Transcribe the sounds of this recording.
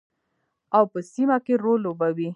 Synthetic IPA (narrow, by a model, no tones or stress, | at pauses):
awpəsimakeɾolːobawi